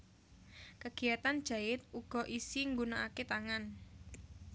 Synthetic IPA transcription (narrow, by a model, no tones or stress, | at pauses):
kəɡ̥iat̪and̥ʒ̥a̤ɪt̪̚uɡ̥ɔ̤ʔisiŋɡunaʔaket̪aŋan